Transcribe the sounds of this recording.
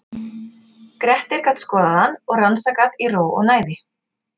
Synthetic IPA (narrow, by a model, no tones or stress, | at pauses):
kɾɛht̪ɪɾ̥kat̪skɔːðaðanːɔɣransakaðiroːwɔ̰ɣnaːjðɪ